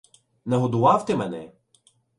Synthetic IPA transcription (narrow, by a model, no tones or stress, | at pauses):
nɛɦɔd̪ʊʋɑwt̪ɪmɛnɛ